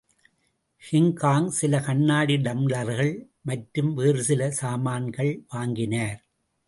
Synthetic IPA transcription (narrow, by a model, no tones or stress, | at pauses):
hɪŋkaːŋsɪlɐkɐɳːaːɽiɖɐmlɐɾɣɐɭ | mɐʈːɾɯmʋeːɾɯsɪlɐsaːmaːnɡɐɭʋaːŋɡɪnaːɾ